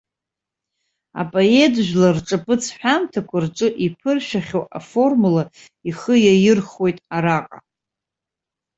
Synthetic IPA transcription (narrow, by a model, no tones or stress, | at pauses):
a̰pʼoetʰʼʒᶣlarʈ͡ʂʼɨpʰʼɨt͡sʰħʷᶣamtʰakʷʰarʈ͡ʂʼɨʔipʰɨrʃᶣaχʲowa̰fo̞rmula | iχəjajɪrχo̞jtʼaɾaqʼa